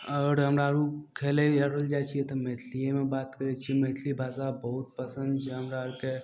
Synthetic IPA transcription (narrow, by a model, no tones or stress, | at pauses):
ɔːɾɦɐmɾaɾukʰeːleɐɾold͡ʒaːt͡ʃʰiet̪omeːt̪ʰlijemẽbaːt̪kəɾet͡ʃʰimeːt̪ʰlibʱaːsabɐɦʊt̪̚pɐsə̃nd̪d͡ʒeɦɐmɾaɾke